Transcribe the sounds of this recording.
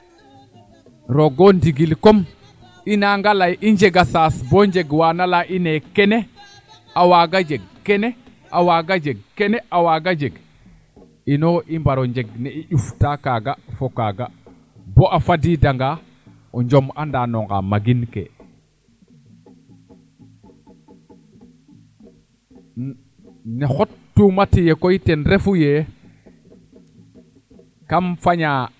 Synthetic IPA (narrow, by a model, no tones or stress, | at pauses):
ɾoɡondiɡilkom | inaŋɡalajiɲd͡ʒeɡasasboɲd͡ʒeɡwaːnalaʔinekene | awaɡad͡ʒeɡ̚kene | ʔawaɡad͡ʒeɡ̚keneʔawaɡad͡ʒeɡ | inoʔimbaɾoɲd͡ʒeɡ̚neiʔuftakaɡafokaɡa | boʔafadidaŋɡa | ɔɲd͡ʒomandanoŋɡa̰maɡinkḛ | nexotːumatijekoitenɾefuje | kamfaɲa